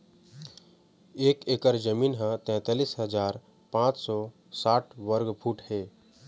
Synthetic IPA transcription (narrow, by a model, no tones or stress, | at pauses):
eːkeːkəɾd͡ʒəmiːnɦə̃t̪ɛ̃ːt̪aːliːsɦəzaːɾ | pãːt͡ʃsɔː | saːʈʰʋəɾɡpʰuːʈheː